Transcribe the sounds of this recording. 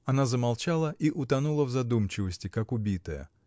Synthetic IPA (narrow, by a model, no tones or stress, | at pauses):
ɐnazəmalˠt͡ɕalˠəʔiʔʊt̪ɐnulˠəvzɐd̪umt͡ɕɪvəsʲtʲɪkakʊbʲit̪əjə̰